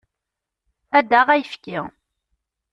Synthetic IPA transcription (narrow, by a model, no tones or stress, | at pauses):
æd̪aʁæjəfkɪ